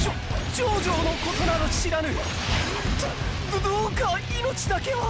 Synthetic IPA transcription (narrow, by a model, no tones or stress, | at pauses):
o | d͡ʑoːd͡ʑo̞ːno̞ko̞t̪onad̪oɕiɾanɯ | d̪oːkaino̞t͡ɕid̪ake̞βa